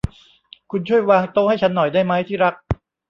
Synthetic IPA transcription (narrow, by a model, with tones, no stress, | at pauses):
kʰu˧nt͡ɕʰu˥˩əjwaː˧ŋt̪o˥˩ha˥˩jt͡ɕʰa˦˥nːɔ˨˩jdaː˥˩jma˦˥jt̪ʰiː˥˩ɾa˦˥k̚